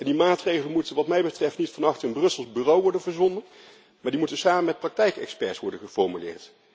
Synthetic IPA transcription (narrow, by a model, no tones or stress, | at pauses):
ɛndimaːtrejɣələnmutənʋɑtmɛjbətrɛftnitfɑnɑxtənbrɵsəlˠzbyːrowʋɔɹdənvəɹzɔndən | maːɹdimutənsaːməmɛt̚prɑk̚tɛjkɛ̰kspɛɹsʋɔɹdənχəfɔɹmylɪ̰ːɹt